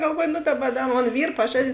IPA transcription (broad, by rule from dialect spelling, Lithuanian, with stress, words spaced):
ɡɐlˠˈʋuɔjʊ nʊ ˈdɑːˌbɐ ˈdɐ ˈmoːn ˈʋʲiːr pɐˈʒɑːdʲɪn